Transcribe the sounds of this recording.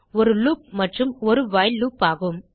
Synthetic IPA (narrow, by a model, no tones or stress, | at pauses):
ɔɾɯluːp̚mɐʈrɯmɔɾɯʋaːjluːpaːɣɯm